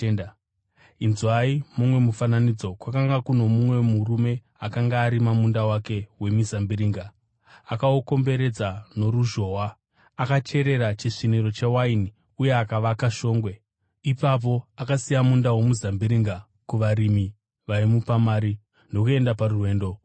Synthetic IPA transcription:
n | inzwaimumwe̞mufananid͡zo̞kwakaŋɡakuno̞mumwe̞muɾume̞ | akaŋɡaːɾimamundawake̞we̞mizambiɾiːŋɡa | akaoko̞mbe̞ɾe̞d͡zano̞ɾuʒo̞ːwaː | kat͡ʃe̞ɾe̞ɾat͡ʃiʂiniɾo̞t͡ʃe̞waini | uje̞akaʋakaʃo̞ːŋɡwe̞ | ipap̬o̞akasijamundawo̞muzambiɾiŋɡa | kuʋaɾimi | ʋaimupamaːɾi | ndo̞kue̞ndaparurwe̞ːndo̞

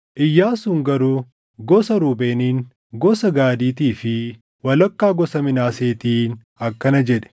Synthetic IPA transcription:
ʔɪjːaːsʊŋɡɐɾuː | ɡɔsɐɾuːbeːniːŋ | ɡɔsɐɡaːd̪iːt̪iːfɪ | wɐlɐkːaːɡɔsɐmɪnaːseːt̪iːn | ɐkːɐnɐd͡ʒɛᶑɛ̥

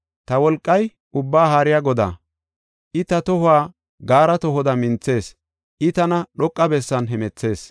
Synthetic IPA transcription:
t̪ɐwɔlkʼːɐj | ʊbːaːɦaːɾɪjaːɡɔd̪a̰ː | ʔɪt̪ɐt̪ɔhʊaː | ɡaːɾɐt̪ɔɦɔd̪ɐmɪnt͡sːe̞ːs | ʔɪt̪ɐnɐɗɔkʼːɐbɛsːɐnɦɛmɛt͡sːe̞ːs

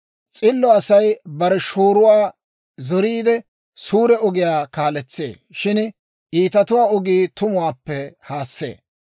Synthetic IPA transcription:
t͡sʼɪlːɔɐsɐjbɐɾɛʃoːɾʊwaː | zɔɾiːd̪ɛ | suːɾɛɔɡɪjaːkaːlɛt͡sːḛː | ʃɪn | ʔiːt̪ɐt̪ʊwaːɔɡiːt̪ʊmʊwaːpːɛhaːsːḛː

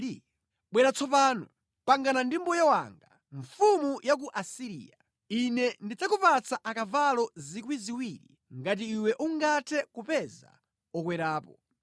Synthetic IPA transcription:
i | ɓwɛɾat͡sʰɔp̬aːnɔ | paŋɡanandimbɔjɔwa̰ŋɡa | ɱfumujak̬uʔasiɾḭːa | inɛndid͡zakupat͡saʔakavalɔzikwiziwiːɾḭ | ŋɡat̬iːwɛʔuŋɡatʰɛkupɛza̰ | ɔkwɛɾaːpɔ

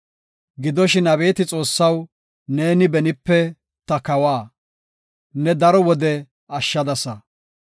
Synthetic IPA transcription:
ɡɪd̪ɔʃɪnɐβe̞ːt̪ɪt͡sʼo̞ːsːɐw | ne̞ːnɪbɛnɪpːɛ | t̪ɐkɐwaː | nɛd̪ɐɾɔwɔd̪ɛ | ɐʃːɐd̪ɐsɐ

